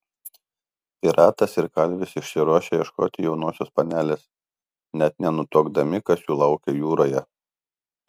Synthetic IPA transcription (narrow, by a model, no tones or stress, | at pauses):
pʲɪɾʔɑːt̪ɐsɪɾkɐlʲʋʲɪsɪʃʲsʲɪɾuɔʃʲeːjɛʃko̰ːt̪ʲɪjɛʊnuɔsʲoːspɐnʲæːlʲeːs | nʲɛt̪̚nʲɛnʊt̪oːɡd̪ɐmʲɪkɐsjuːlˠɐʊkʲejuːɾoːjɛ